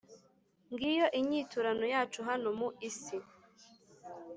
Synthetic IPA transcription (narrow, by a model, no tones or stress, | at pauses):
ŋɡijo̞ʔiɲiːtuɾanojaːt͡ʃuɦano̞muisi